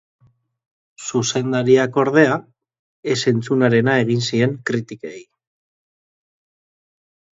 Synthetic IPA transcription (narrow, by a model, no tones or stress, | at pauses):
suse̞nd̪aɾiako̞ɾðe̞a | e̞se̞nt͡sunaɾe̞nae̞ɣ̞insie̞ŋkɾit̪ikej